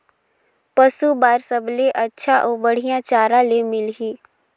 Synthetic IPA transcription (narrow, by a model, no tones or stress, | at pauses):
pəsubaːɾsəbleʔɐtːʃʰaʔoːbəɽ̤ijãt͡ʃaːɾãlemɪlɦiː